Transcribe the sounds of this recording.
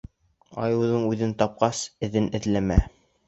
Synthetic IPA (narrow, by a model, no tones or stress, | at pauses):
ɑ̰jɤ̆wðɤɴʉðɘnt̪ɑp̚qɑsɘ̆ðɘnʔɘ̆ðlæmæ